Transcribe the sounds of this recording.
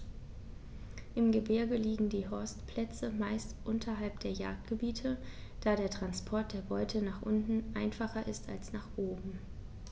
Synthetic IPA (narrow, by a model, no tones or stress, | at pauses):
ʔɪmɡəbɪɐɡəliːɡŋ̩diːɦɔɐstpʰl̥ɛt͡səmaɪstʔʊntʰɐɦalpd̥eːɐja̰ːk̚t̚ɡ̥əbiːtʰəd̥aːɾeːɐtʁ̥anspʰɔɐt̚d̥eːɐbɔʏtʰənaːχʔʊntn̩ʔaɪnfaχɐʔɪstalsnaːχʔoːbm̩